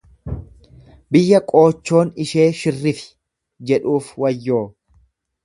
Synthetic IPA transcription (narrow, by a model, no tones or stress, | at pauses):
bɪjːɐkʼo̞ːt͡ʃːo̞ːnɪʃe̞ːʃɪrːɪfɪ̥ | d͡ʒɛᶑuːfwɐjːo̞ː